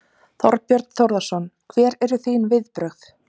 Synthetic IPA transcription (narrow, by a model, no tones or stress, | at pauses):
θɔ̰ɾpjœɾt̪nθowɾðasɔnkʰvɛːɾɛɾʏθijnvɪðpɾœxθ